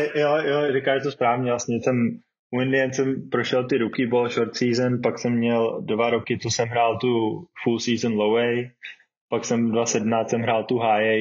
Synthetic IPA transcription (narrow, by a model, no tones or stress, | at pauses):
ɛjojoɾɪkaːʃt̪ospɾaːvɲɛvlasɲɛsɛm | ʔuɪndɪjɛnt̪sɛmpɾoʃɛlt̪ɪɾukɪbolʃoɾt̪siːzənpaksɛmːɲɛldvaɾokɪt͡sosɛmɦɾaːlt̪ufulsiːzənlowɛj | paksɛmdvasɛdmnaːsɛmɦɾaːlt̪uɦaːjɛ